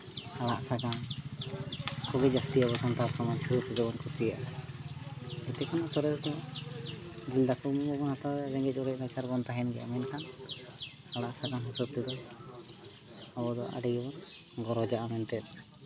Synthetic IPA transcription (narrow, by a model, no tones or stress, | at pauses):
halaʔsaɡan | kɔɡɛd͡ʒast̪iabɔsɔnt̪aɾkamat͡ʃʰusɛd͡ʒɔbɔnkʰusijaʔa | d͡ʒɛt̪ɛkʰɔnaʔsɔɾɛsd̪ɔ | d͡ʒild̪akumbɔbɔnhat̪aɛad͡ʒɛŋɡɛt͡ʃ̚ˀɔɾɛʔnat͡ʃaɾbɔnt̪aɦɛnɡɛja̰mɛnkaŋ | alaʔsaɡanɦusɔb̚t̪ɛd̪ɔ | abɔd̪ɔ̰ʔa̰ɖɛjbɔn | ɡɔɾɔd͡ʒaʔamɛnt̪ɛt̪̚